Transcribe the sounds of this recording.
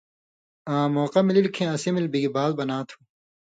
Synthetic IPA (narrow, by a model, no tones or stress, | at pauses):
ãːmoːqɐmililkʰẽɐsimilbiɡibaːlbɐnaːt̪ʰũ̥